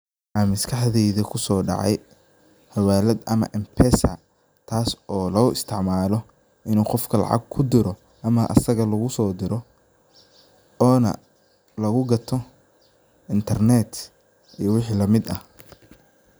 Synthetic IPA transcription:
aːmɪskʰɑħðɛjðɐkʰʊsɔːɖɑ̰ʕɑ̰j | hɐwaːlɛd̪ɐmɐ̰ʔɪmpʰɛsɐ̰ | t̪ʰaːsɔːlɐɣʊɪst̪ʰɪʕmaːlɔ | ʔɪnuːqɔfkʰɐlɑ̰ʕɑ̰ɡ̚kʰʊd̪ɪɾɔ | ʔɐmɐʔɐ̰sɐɣɐlɐɣʊsɔːd̪ɪɾɔ | ɔːnɐ̰ | lɐɣʊɡɐt̪ʰɔ | ɪnt̪ʰɐrnɛt̪ | ijɐwɪħiːlɐmɪd̪ɐh

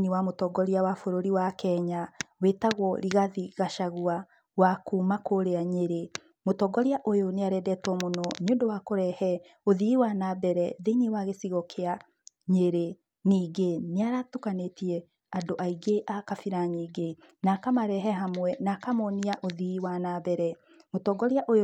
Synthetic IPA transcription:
niwamotɔɡɔɾiawafoɾoɾiwakɛɲawetaɣwɔɾiɣaðiɣaʃaɣua | wakumakoɾeaɲeɾe | motɔɡɔɾiaʔojoneaɾɛdɛtwɔmonɔɲondowakoɾɛhɛ | oðiwanabɛɾɛðeniwaɣesiɣɔkʰea | ɲeɾe | niːɡeneaɾatukanetiɛ | adoʔaiɡeʔakafiɾaɲiːɡe | nakamaɾɛɦɛɦamwɛnakamɔniaʔoðiwanabɛɾɛ | motɔɡɔɾiaʔoj

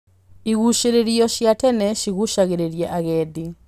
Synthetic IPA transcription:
iɣuʃɛɾɛɾijɔʃjatɛnɛʃiɣuʃaɣɛɾɛɾjɛʔaɣɛdi

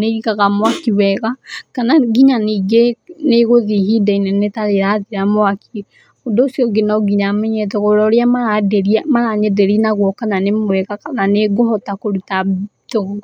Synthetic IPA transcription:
neiɣaɣamwakiwɛɣakanaɡiɲaniːɡeneɣoðiɦidainɛnetaɾeɾaðiɾamwaki | odoːsjɔɡenaɡiɲamɛɲɛtɔɣoɾɔɾeamaɾadɛɾiamaɾaɲɛdɛɾinaɣwɔkananemwɛɣakananeɡoɦɔtakoɾutatoɣ

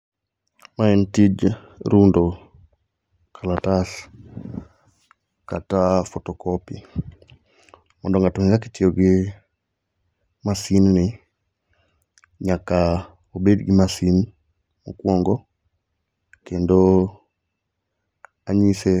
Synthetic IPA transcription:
maɛntid͡ʒ | ɾundɔ | kʰalatas | katafɔtɔkɔpi | mɔndɔŋɡatuɲizakitiɔɡi | masinni | ɲaka | ubɛdiɡimasin | mukwɔŋɡɔ | kɛndɔ | aɲisɛ

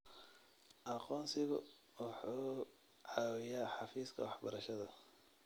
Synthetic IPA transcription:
ʔɑqɔːnsɪɣʊ̰ | wɑħuː | ʕɑːwɪjaːħɑfiːskʰɐ̰wɑħbɐɾɐʃɐðɐ

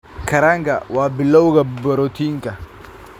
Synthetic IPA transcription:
kaɾaŋka̰wabilːaukabɐɾot̪iŋka

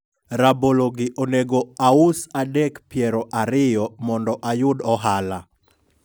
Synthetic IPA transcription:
raboloɡɪʔoneɡoausadɛkpjɛɾɔʔaɾɪjɔmɔndɔʔajʊdɔɦala

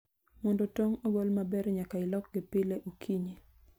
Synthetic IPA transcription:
mɔndɔtoŋobolmabɛɾɲakaɪlɔk̚ɡɪpɪleʔokʰiɲi

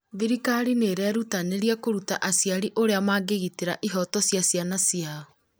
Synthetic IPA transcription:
βiɾikaɾineɾɛɾutaneɾiakoɾutaʔasjaɾiʔoɾeamaːɡeɣiteɾaʔiɦɔtɔsjasjanasiaɔ

